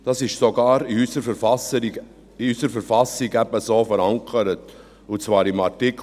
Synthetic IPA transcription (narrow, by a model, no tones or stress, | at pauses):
d̥ɑsɪʃsoɡɑːɾiysəɾfəf | iysəɾfəɾfɑsɪɡɛbəsoːfəɾaŋkʰəɾət | ʊt͡sv̥ɑːɾɪmaɾtɪkʰ